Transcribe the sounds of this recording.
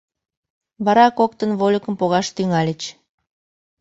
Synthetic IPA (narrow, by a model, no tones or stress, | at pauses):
βɑɾɑkok̚t̪ənβolʲəkəmpoɣɑʃt̪yŋɑlʲet͡ɕ